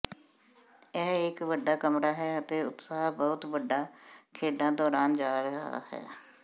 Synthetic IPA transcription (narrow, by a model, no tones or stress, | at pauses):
ɛːɪkʋəɖaːkəmɾaːɦɛːət̪eːʊt̪saːɦbɔːt̪ʋəɖaːkʰeːɖãːd̪ɔːɾaːnd͡ʒaːɾəɦɦa̰ːhɛ̰ː